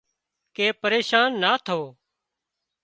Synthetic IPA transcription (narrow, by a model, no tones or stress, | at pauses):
keːpəɾeːʃaːnːaːt̪ʰoː